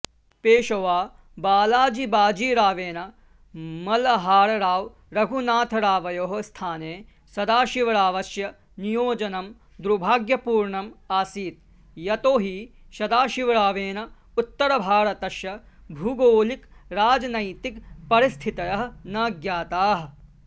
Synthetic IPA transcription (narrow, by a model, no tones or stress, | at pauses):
peːʃɐʋaː | baːlaːd͡ʒibaːd͡ʒiːɾaːʋeːnɐ | mɐlɐɦaːɽɐɾaːʋ | ɾɐɡʱunaːt̪ʰɐɾaːʋɐjoːɦɐst̪ʰaːneː | sɐd̪aːʃiʋɾaːʋɐʃjɐ | nijoːd͡ʒɐnɐm | d̪ɾubʱaːɡjɐpuːɾɳɐmaːsiːt̪ | jɐt̪oːɦi | ʃɐd̪aːʃiʋɐɾaːʋeːnɐ | ut̪ːɐɾɐbʱaːɾɐt̪ɐʃjɐ | bʱuɡoːlikɾaːd͡ʒɐnɐjt̪ikpɐɾist̪ʰit̪ɐjɐɦɐnaːɡjaːt̪aːɦɐ